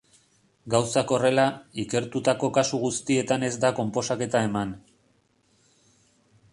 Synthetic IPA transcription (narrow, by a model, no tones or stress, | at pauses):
ɡawsako̞re̞laike̞ɾt̪ut̪ako̞kasuɣust̪ie̞t̪ane̞zd̪ako̞mpo̞sake̞t̪ae̞man